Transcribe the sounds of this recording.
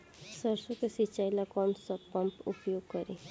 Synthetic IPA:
səɾsɔkesit͡ʃajlakɔnsɔpːɔmpupjoɡ̚kɔɾi

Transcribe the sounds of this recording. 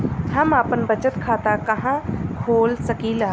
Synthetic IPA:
hɐmaːpənbət͡ʃət̪kʰaːt̪akɐɦãkʰoːlsəkilaː

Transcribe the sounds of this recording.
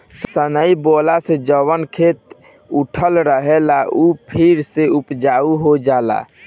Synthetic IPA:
sənəibolased͡ʒəwənkʰet̪ | uʈʰəlɾəɦɛlaʔupʰiɾseupd͡ʒauɦod͡ʒala̰

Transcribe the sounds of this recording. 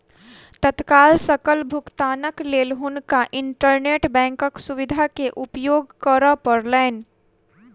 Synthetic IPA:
t̪ət̪kaːlsəkəlbʱʊkt̪aːnəkleːlɦʊnkaʔɪ̃ɳʈəɾneːʈbɛ̃ːŋkəksʊʋɪd̪ʱakeʔʊpjoːɡkəɾəpəɾlɛɪn

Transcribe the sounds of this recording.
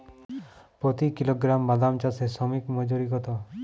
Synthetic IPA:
pɔt̪ikiloɡɾamːad̪amt͡ʃasesɔmikmɔd͡ʒuɾikɔt̪ɔ

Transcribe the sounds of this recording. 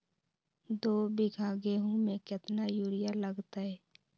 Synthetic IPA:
d̪oːbɪɡʱaːɡeːɦũmekɪt̪najuːɾɪjaləɡt̪aɦɛː

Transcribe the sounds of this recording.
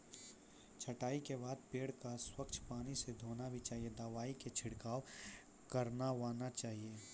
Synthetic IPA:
t͡ʃʰɐʈaːikebaːd̪̚peːɽkaswɐkt͡ʃʰpaːnised̪ʱoːnabʱit͡ʃaːɦied̪aːʋaːiket͡ʃʰɪɽkaːw | kɐɾnaʋaːnat͡ʃaːɦieː

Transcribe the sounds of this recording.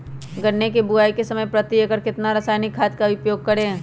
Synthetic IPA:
ɡəɾnekebʊaːikesɐməjpɾət̪iekəɾkɪt̪naɾɐsaːɪnɪkʰːaːt̪̚kaʊpjoːɡ̚kɐɾẽː

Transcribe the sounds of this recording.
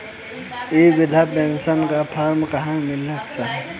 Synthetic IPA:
ebɪd̪ʱapẽnsənkapʰaːɾmkəɦãmɪləksaɦɛ

